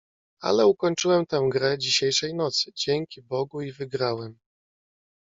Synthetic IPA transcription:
a̰lɛukɔɲt͡ʂɘwɛmt̪ãw̃ɡɾɛd͡ʑiɕejʂɛjnɔt̪sɘd͡ʑɛŋkʲibɔɡuivɘɡɾawɛm

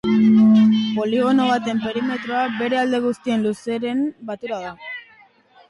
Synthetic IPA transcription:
po̞liɣ̞o̞no̞β̞at̪e̞mpe̞ɾime̞t̪ɾo̞abe̞ɾe̞ald̪e̞ɣ̞ust̪ie̞nluse̞ɾe̞mbat̪uɾaða

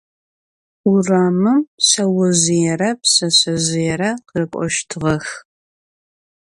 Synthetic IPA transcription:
uraːmɨmsɐwɐzɪjɛɾɐpsɐɕɐzɪjɛɾɐqərɨkʷʼɔ̰ʃtʰɨʁɐx

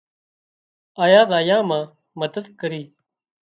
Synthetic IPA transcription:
aːjaːd̪aːjãːmãː | məd̪əd̪kəɾiː

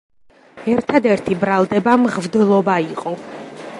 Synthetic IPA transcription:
ɛɾt̪ʰad̪ɛɾt̪ʰibɾalˠd̪ɛbamʁvd̪lˠɔbaiqʼɔ

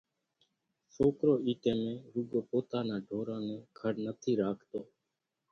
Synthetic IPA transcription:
soːkɾoːiːʈẽːmẽːɾʊɡoːpoːt̪aːnãːɖʱoːɾãːnẽːɡʰʱəɾnət̪ʰiːɾaːkʰt̪oː

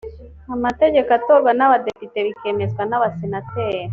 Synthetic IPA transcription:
amat̪eɟekat̪oɾɡanaβad̪epit̪eβikemezɡanaβasenat̪e

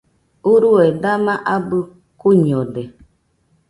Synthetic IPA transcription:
uɾuɛdamaʔabɨ | kuɲɔdɛ

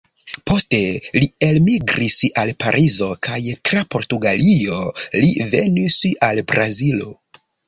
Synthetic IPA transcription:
po̞ste̞lielmiɡɾisalpaɾʔizo̞kʰajtɾapo̞ɾtuɡalio̞live̞nisalbɾazilo̞̰

